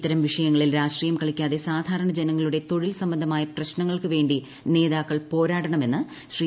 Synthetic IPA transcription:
it̪ːɐɾɐmʋiʂɐjɐŋːɐɭilɾaːʂʈriːjɐmkɐɭikʲːaːðe̞saːd̪ʱaːɾɐɳɐd͡ʑenɐŋːɐɭuɽe̞t̪o̞ɻilsɐmbɐnd̪ʱɐmaːjɐprɐɕnɐŋːɐɭkɨʋe̞ːɳɖi | ne̞ːðaːkːɐɭpo̞ːɾaːʈɐɳɐme̞nːɨ | ɕri

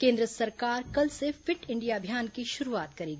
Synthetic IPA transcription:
kẽːnd̪ɾəsɐɾkaːɾkɐlsefɪʈɪ̃ɳɖijaɐbʱijaːnkiʃʊɾuaːt̪kɐɾiːɡi

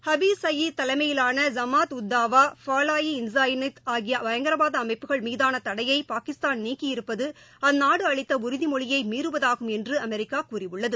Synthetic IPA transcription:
hɐbiːsɐjit̪ɐlɐɪmɐjɪlaːnɐzɐmaːt̪ʊd̪ːaːʋaːfaːlaːjiɪnsaːjnɪt̪aːɣɪjɐʋɐjɐŋɡɐɾɐʋaːðɐɐmɐɪpːɯɣɐɭmiːðaːnɐt̪ɐɽɐjɐɪpaːkɪst̪aːnniːkːɪjɪɾɯpːɐðɯ | ɐnːaːɽɯɐɭɪt̪ːɐʊɾɪðimɔɭɪjɐɪmiːɾɯʋɐðaːɣɯmɛndrɯɐmɛɾɪkːaːkuːrɪʋɯɭːɐðɯ

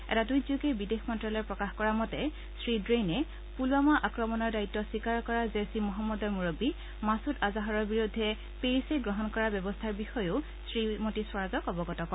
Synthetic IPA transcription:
ɛ̰tadujzukebidexmɔntɹalɔɹpɹɔkaxkɔɹamɔtɛ | sɹidɹejnɛ | pulamaʔakɹɔmɔnɔɹdaitːɔsikaɹkɔɹazesimɔɦamːɔdɔɹmuɹobi | masutazaɦɔɹɔɹbiɹudʱːɛ | peɹiseɡɹɔɦɔnkɔɹabjɔbɔstʰaɹbixɔjʊ | sɹimotiswɔɹazɔkɔbɔɡɔtɔkɔ

